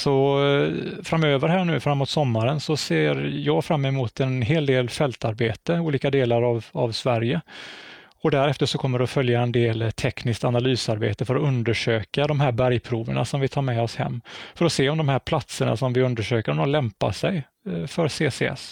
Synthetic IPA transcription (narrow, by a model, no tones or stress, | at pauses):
sɔ | fɾamːøːvəɾɦæːɳʉ̟ːfɾamːuːt̪sɔmːaɾənsɔseːɾjɑːɡfɾamːɛmuːt̪ɛnɦeːld̪eːlfɛlt̪aɾbeːt̪əuːliːkad̪eːlaɾava̰vsvæɾjə | ɔd̪æɾɛft̪əʂɔkʰɔmːəɖɛɔfœljaɛnd̪eːlt̪ʰɛknɪskt̪analyːsaɾbḛːt̪əfœɾɔɵnd̪əʂøːkad̪ɔmhæːɾbæɾjpʰɾuːvə̰ɳa̰sɔmvɪt̪ʰɑːɾmɛɔshɛ̰mːfœɾɔseːɔmd̪ɔmhæːɾpʰlat̪səɳa̰sɔmvɪɵnd̪əʂøːkəɾmɔlɛmpa̰sɛj | fœɾseːsḛːɛ̰s